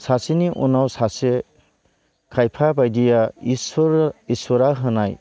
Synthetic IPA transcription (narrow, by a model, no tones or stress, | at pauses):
sasiniʔɔnawsase | kʰajpʰabajdijasisɔɾaɦɯnaj